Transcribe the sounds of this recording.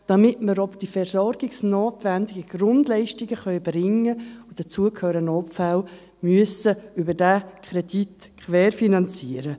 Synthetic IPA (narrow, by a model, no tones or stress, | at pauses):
d̥ɑmɪtməɾɔpd̥ifɛrsɔɾɡɪksnoːtʋɛndɪɡəɡ̥ɾʊndlɛɪʃtɪɡəχœʏbɾɪŋːəʊd̥ət͡suəkʰhøːɾənɔpfal | myəsəʏbəɾdakχɾɛditkʰʋɛːɾfinɑnt͡siːəɾə